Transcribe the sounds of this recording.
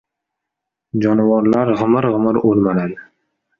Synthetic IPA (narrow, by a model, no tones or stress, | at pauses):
d͡ʒɒnɪvɒɾlaɾʁɨmɨɾʁɨmɪɾolmalad̪